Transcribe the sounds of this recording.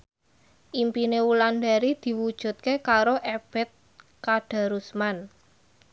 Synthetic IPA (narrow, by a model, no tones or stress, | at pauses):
ʔimpinewulanɖaɾid̪̥i̤wud̥ʒ̥ṳt̪̚kekaɾoʔeb̥ɛ̤t̪̚ | kaɖ̥a̤ɾusman